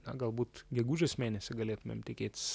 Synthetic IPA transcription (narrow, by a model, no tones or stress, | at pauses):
nɐɡɐlˠbuːt̪ɡʲɛɡuːʒʲoːsmʲeːnʲɛsʲɪɡɐlʲeːt̪ʊmʲḛmt̪ʲɪkʲeːt̪ʲs